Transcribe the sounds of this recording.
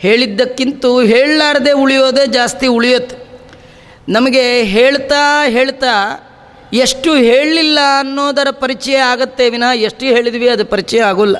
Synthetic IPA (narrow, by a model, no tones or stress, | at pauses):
he̞ːɭid̪ːɐkːint̪uɦeːɭlaːɾɐd̪e̞ːuɭijoːd̪eːd͡ʒaːst̪iuɭijoːt̪ːe̥ | nɐmɐɡe̞ɦeːɭt̪aːɦeːɭt̪aː | eʂʈuɦe̞ːɭːilːɐːnːoːd̪ɐɾɐpɐɾit͡ʃɛjɛaːɡɐt̪ːeʋinaːeʂʈuɦe̞ːɭid̪ʋiɐd̪upɐɾit͡ʃɛjɛaːɡulːɐ